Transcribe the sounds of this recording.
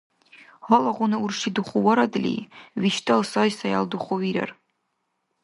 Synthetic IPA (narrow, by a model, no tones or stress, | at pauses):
ɔlaʁʷʊnɨurʂidɨχʷʊwaɾadlʲḭjɥiʃtʰʼɨlsajsaja̰lduχʷʊɥiɾa̰r